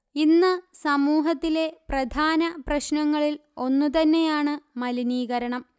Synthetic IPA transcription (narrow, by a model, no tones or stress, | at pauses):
inːɨsɐmuːɦɐt̪ːile̞prɐd̪ʱaːnɐprɐɕnɐŋːɐɭilo̞nːut̪̬ɐnːe̞jaːɳɨmɐliniːɣɐɾɐɳɐm